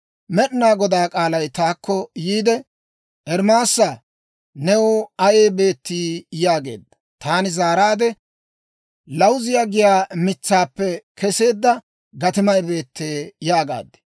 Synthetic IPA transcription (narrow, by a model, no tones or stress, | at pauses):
mɛɗɪnaːɡɔd̪aːkʼaːlɐjt̪aːkʰːɔjiːd̪ɛ | ʔɛɾmaːsːa | nɛwʊɐjeːbe̞ːt̪ːiːjaːɡe̞̰ːd̪ːɐ | t̪aːnɪzaːɾaːd̪ɛ | lɐwzɪjaːɡɪjaːmɪt͡sːaːpːɛkɛse̞ːd̪ːɐ | ɡɐt̪ɪmɐjbe̞ːt̪ːeːjaːɡa̰ːd̪ɛ̥